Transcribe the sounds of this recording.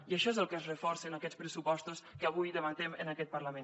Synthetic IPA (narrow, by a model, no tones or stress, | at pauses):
iəʃɔezəlˠkəzrəfɔrsənəkɛt͡spɾəsupɔst̪uskəːβ̞ujðəβənt̪ɛmə̰nəkɛt̪̚pərləmen